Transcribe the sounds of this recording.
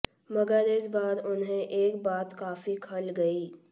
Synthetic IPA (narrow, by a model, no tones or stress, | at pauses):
mɐɡəɾɪsbaːɾʊnɦẽʔeːkbaːt̪kaːfikʰɐlɡɐiː